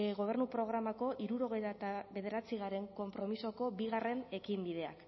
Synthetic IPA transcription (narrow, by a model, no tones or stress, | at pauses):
ɣo̞βe̞ɾnupɾo̞ɣ̞ɾamako̞ʔiɾuɾo̞ɣ̞e̞jt̪at̪aβe̞ð̞eɾat͡siɣ̞aɾe̞ŋko̞mpɾo̞miso̞ko̞biɣ̞are̞ne̞kimbið̞e̞a̰k